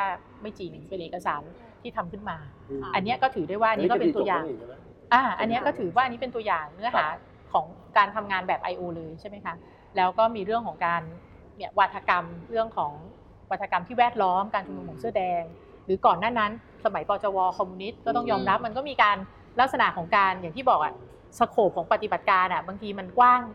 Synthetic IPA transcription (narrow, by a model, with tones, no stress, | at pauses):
aː˥˩ | ma˥˩jt͡ɕiː˧˩nɯ˨˩pe˧nʔeː˨˩ka˧saː˩˦n | t̪ʰiː˥˩t̪ʰa˧mkʰɯ˥˩nmaː˧ | ʔa˧nːi˦˥ɐkɔː˥˩t̪ʰɯː˩˦du˥˩jwaː˥˩ʔnːi˦kːpe˧nt̪u˧jaː˨˩ | ʔaː˧˩ʔa˧nːi˦˥kɔː˥˩t̪ʰɯː˩˦waː˥˩a˧ni˦˥pe˧nt̪u˧ɐjaː˨˩ŋnɯ˦˥ɐɦaː˩˦ | kʰɔː˩˦ŋ | kaː˧nt̪ʰa˧mŋaː˧nbɛː˨˩pʔa˧jʔoː˧lɤː˧jt͡ɕʰa˥˩jma˦˥jkʰa˦˥ | lɛː˦˥wkɔː˥˩miː˧ɾɯ˥˩əŋkʰɔː˩˦ŋkaː˧n | ni˦˩wa˦˥t̪ʰːa˧ka˧mɾɯ˥˩əŋkʰɔː˩˦ŋ | wa˦˩t̪ʰːa˧ka˧mt̪ʰiː˥˩wɛː˥˩t̪̚lɔː˦˥mkaː˧nt͡ɕʰa˧nuː˧mʰuː˩˦nsɯ˥˩ədɛː˧ŋ | ɾɯː˩˦kɔː˨˩nːaː˥˩na˦˥n | sa˧ma˨˩˦jpɔː˧t͡ɕɔː˧wɔː˧kʰɔː˧mːuː˧ni˦˥t̪̚kɔː˥˩t̪̬ɔ˥˩ŋjɔː˧mɾa˦˥p̚ma˧nkɔː˥˩miː˧kaː˧n | la˦˥k̚sa˧na̰˨˩˦kʰɔː˩˦ŋkaː˧njaː˨˩ŋt̪ʰiː˥˩bɔː˨˩k̚ʔa̰˨˩ | sa˧kʰoː˨˩p̚ʰɔː˩˦ŋpa˧˩t̪i˨˩ba˨˩t̪̚kaː˧nʔa˨˩baː˧ŋt̪ʰiː˧ma˧nkwaː˥˩ŋ